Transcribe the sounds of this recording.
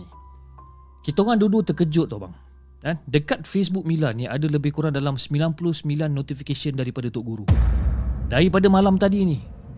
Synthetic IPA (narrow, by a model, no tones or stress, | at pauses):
kit̪oŋanduduʔt̪əkəd͡ʒʊʔ̪̚ɔba̰ŋ | dandəkat̪̚fesbʊk̚milanĩʔa̰daləbɪhkuɾaŋdalamsəmilanpulʊhsəmilanːot̪ifikesiəndaɾipadat̪oʔɡuɾu | daipadamãlamt̪adiːni